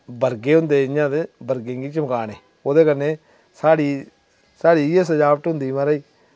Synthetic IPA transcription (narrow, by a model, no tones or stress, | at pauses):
bəɾɡeːɦʊnd̪eːɪɲãːd̪eːbəɾɡẽːŋɡiːt͡ʃəmkaːneː | oːd̪eːkənːeː | saːɽiː | saːɽiːjeːs̬əd͡ʒaːʋəʈ̪ɦʊnd̪iːmãːɾəiː